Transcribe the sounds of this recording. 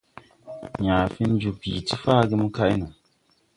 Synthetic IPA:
ɲaː˨fi˦n˦d͡ʒu˨pḭ˨ti˦faː˦˨ɡɪ˦m˦ka˦ʔɪ˦nu˨

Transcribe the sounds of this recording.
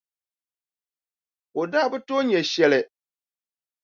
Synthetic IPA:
o˨daː˦˨bɨ˦to˦ɲɛ˨ʃɛ˨lɨ˨

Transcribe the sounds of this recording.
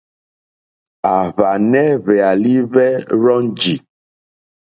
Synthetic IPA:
a˨βa˨nɛ˦βɛ˨a˨li˦βɛ˦ɾɔ˦nd͡ʒi˨

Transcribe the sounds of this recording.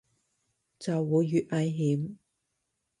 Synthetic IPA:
t͡sɐ˨wːuː˨˧jːyː˨t̚ʔɐ˨˧jɦiː˨˥m

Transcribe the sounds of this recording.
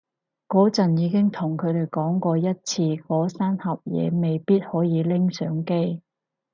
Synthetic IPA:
kɔː˨˥t͡sɐ˨njiː˨˧kɪ˥ŋt̪ʰʊ˨˩ŋkʰɵ˨˧ɥt̪e˨˩jkɔː˨˥ŋkɔː˧jɐ˥t̚t͡sʰiː˧kɔː˨˥saː˥nhɐ˨p̚jɛ̰ː˨˧me˨jpiː˥t̚hɔː˨˥jiː˨˧lɪ˥ŋsœː˨˥ŋke˥j

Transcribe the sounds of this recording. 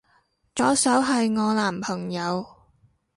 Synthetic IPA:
t͡ʃɔː˨˥sɐ˨˥wɦɐ˨jŋɔː˨˧laː˨˩mpʰɐ˨˩ŋjɐ˨˧w

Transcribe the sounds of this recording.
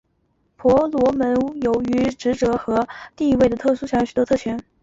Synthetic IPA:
pʰwɔ˧˥lwɔ˧˥mə˧˥njo˧˥ʊy˧˥ʈ͡ʂɻ̩˧˥ʈ͡ʂɤ˧˥xɤ˧˥t̪i˥˧i˧˥we˥˩ɪd̪ə˩t̪ʰɤ˥˩ʂu˥ɕjɑ˥ŋɕy˨˩t̪wɔ˥t̪ʰɤ˥˩t͡ɕʰɥɛ˧˥n

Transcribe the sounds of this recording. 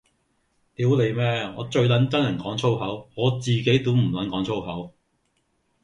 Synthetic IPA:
t̪iː˨˥wle˨˧jmɛː˥ŋɔ̰ː˨˧t͡ʃɵ˧ɥlɐ˨˥nt͡sɐ˥njɐ˨˩nkɔː˨˥ŋt͡sʰo˥wɦɐ˨˥wŋɔː˨˧t͡siː˨ke˨˥jt̪u˨˥m̩˨˩lɐ˨˥nkɔː˨˥ŋt͡sʰo˥wɦɐ˨˥w

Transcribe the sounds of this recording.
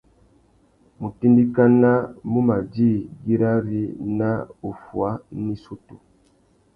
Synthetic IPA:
mu˨ti˦ndi˦ka˦na˦mu˦ma˨d͡ʒi˦˨ɡi˦ɾa˦ɾi˦na˦u˨fwa˦ni˦su˦tu˨

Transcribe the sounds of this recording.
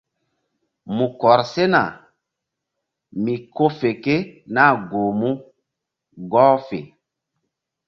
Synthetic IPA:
mu˨kɔ˨ɾse˦na˨ | mi˨ko˦fe˨ke˦na˦˨ɡo˨mu˦ | ɡɔː˦fḛ˨

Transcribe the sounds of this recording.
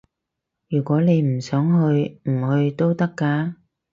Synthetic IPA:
jyː˨˩kʷɔː˨˥ne˨˧jm̩˨˩sœː˨˥ŋɦɵ˧ɥm̩˨˩hɵ˧ɥt̪o˥wt̪ɐ˥kːaː˧˥

